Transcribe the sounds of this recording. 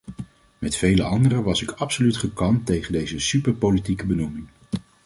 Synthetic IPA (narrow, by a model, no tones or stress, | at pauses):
mɛtfejləɑndərəʋɑsɪkɑpsolytχəkɑntejχəndejzəsypəɹpolitikəbənumɪŋ